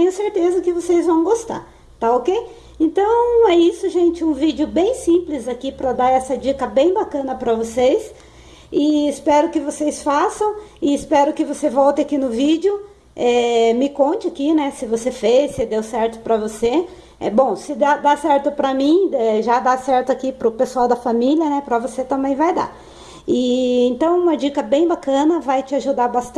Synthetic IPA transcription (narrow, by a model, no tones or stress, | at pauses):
t̪ẽj̃ʊseɾt̪ezɐkɪvosejzvɐ̃w̃ɡost̪a̰ɾ | t̪aokej | ẽnt̪ɐ̃w̃ɛisʊʒẽnt͡ʃɪũvid͡ʒʊbẽj̃sĩplɪzakipɾɐd̪aɛsɐd͡ʒikɐbẽj̃bakɐ̃nɐpɾɐvosejs | ɪɪspɛɾʊkɪvosejsfasɐ̃w̃ɪɪspɛɾʊkɪvosevɔwt̪ɪakinʊvid͡ʒɪʊ | ɛmɪkõnt͡ʃɪakinɛsɪvosefesɪd̪ewsɛɾt̪ʊ̥pɾɐvose | ɛbõw̃sɪd̪ad̪asɛɾt̪ʊpɾɐmĩɛʒad̪asɛɾt̪ʊakipɾʊpesuawd̪ɐfamiljɐnɛpɾɐvoset̪ɐ̃mbẽj̃vajd̪a̰ | ɪẽnt̪ɐ̃w̃ũmɐd͡ʒikɐbẽj̃bakɐ̃nɐvajt͡ʃɪaʒud̪aɾbast̪